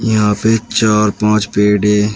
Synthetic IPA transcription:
jɐɦãːpet͡ʃaːɾpãːt͡ʃpeːɖeː

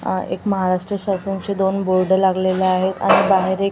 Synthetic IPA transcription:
ḛkməɦaɾaʂʈɾəɕasunt͡ɕed̪onboɾɖəlaɡlelaaɦet̪a̰ɽ̃ibaɦeɾek

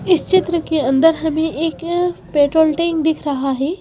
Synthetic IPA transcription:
ɪst͡ʃɪt̪ɾəkeɐ̃nd̪əɾɦɐmẽʔeːkpeːʈɾoːlʈẽŋɡd̪ɪkʰɾɐɦaɦɛː

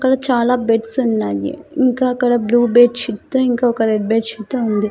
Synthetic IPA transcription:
kɐɽɐt͡ʃaːlaːbeʈsunːaːjḛiŋkaːkɐɽɐbluːbeːʈt͡ʃit̪ːuiŋkaokɐɾeɖ̚beːʈt͡ʃit̪ːuɐnd̪i

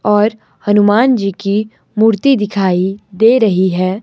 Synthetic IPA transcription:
ɔːɾ | hɐnʊmaːnd͡ʒiːki | muːɾt̪id̪ɪkʰaːid̪eːɾɐɦiɦɛː

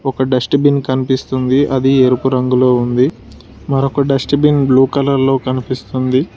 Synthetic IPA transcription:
ɔkɐɖɐsʈbinkɐnipist̪und̪iʔɐd̪ieɾupuɾɐŋɡuloːund̪i | mɐɾokɐɖɐsʈbinbluːkɐlɐɾlo̞ːkɐnipist̪und̪i

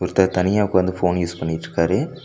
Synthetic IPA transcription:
ʊɾɯt̪ːɐt̪ɐnɪjaːʋkːʋɐnd̪ɯfoːnjuːspɐɳːɪʈːɾɯkːaːɾe

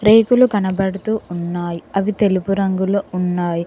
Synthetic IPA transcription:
ɾeːkulukɐnɐbɐɽut̪uːunːaːjiɐʋit̪e̞lupuɾɐŋɡuluunːaːji

